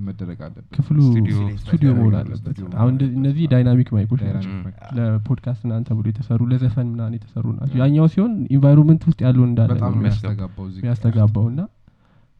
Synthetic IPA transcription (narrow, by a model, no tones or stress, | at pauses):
məd̪əɾəɡʼaəkʰɨflust̪ʰud̪ijoməhola̰lːə̰bət̪a̰hunɨnːəzːihd̪ajnamikmajkʰo̞t͡ʃːnat͡ʃːləpʰo̞d̪kʰast̪ɨnːant̪ʰəbɨlojɛt̪ʰəsərːuləzəfənmɨnanjɛt̪ʰə̥sərːṵna̰t͡ʃːɛwjaɲːawsiho̞ninvajɾonmənt̪wʊst̪ʼjalːəwɨnd̪alːə̰mɡabmijast̪ʰəɡabːəwɨnːa